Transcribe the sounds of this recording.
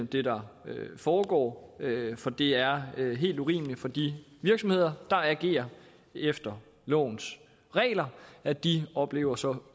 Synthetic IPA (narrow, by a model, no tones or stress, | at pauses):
d̥e̝d̥ɑ̈øfɒːɡ̥ɒ̰ːfɒ̽d̥e̝æɐøɦe̝̰ːld̥uʁḭːmlifɒ̽d̥iʋiɐɡ̥sɒ̽mhe̝ð̞̰ˠɐd̥ɑ̈ɛɡ̥e̝̰ːɐ | efd̥ɐ | lɔ̰ːn̩s | ʁɛ̰ːlɐæd̥iɒ̽b̥le̝̰ːʊɐsɒ̽